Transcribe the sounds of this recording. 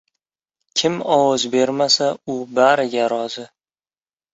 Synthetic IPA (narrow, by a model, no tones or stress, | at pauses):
kʲʰɪmɒwɒzbe̞ɾmasaʊbaɾɪɡʲaɾɒzɪ